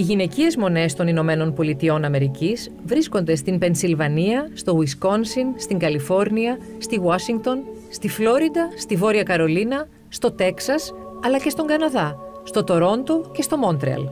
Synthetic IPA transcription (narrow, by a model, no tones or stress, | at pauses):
iʝine̞cie̞zmo̞ne̞st̪o̞nino̞me̞no̞npo̞lit̪io̞nɐme̞ɾicis | vɾisko̞nd̪e̞st̪impe̞nsilvɐniɐst̪o̞wisko̞nsinst̪iŋɡɐlifo̞ɾniɐ | st̪iwɐsiŋɡt̪o̞nst̪iflo̞ɾid̪ɐst̪ivo̞ɾiɐkɐɾo̞linɐ | st̪o̞t̪e̞ksɐsɐlɐce̞st̪o̞ŋɡɐnɐðɐst̪o̞t̪o̞ɾo̞nt̪o̞ce̞st̪o̞mo̞nt̪ɾeɐ̰l